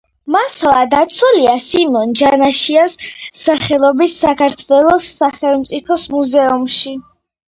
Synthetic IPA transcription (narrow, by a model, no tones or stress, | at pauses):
maslˠad̪at̪sʰuliasimɔnd͡ʒanaʃiasːaχɛlˠɔbisːakʰaɾt̪ʰwɛlˠɔsːaχɛlˠmt̪sʼipʰɔsmuzɛumʃi